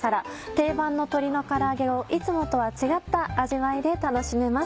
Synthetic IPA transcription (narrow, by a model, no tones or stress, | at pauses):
aɾat̪e̞ːbãnːo̞t̪o̞ɾʲino̞kaɾaːɡe̞o̞ʔit͡sɨmo̞t̪o̞βat͡ɕiɡat̪ːaːʑiβaid̪e̞t̪ano̞ɕime̞ma